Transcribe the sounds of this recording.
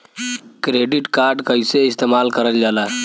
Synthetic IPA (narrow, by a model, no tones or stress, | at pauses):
kɾeɖiʈkaɾɖkəɦiseist̪emalkəɾəld͡ʒalaɦ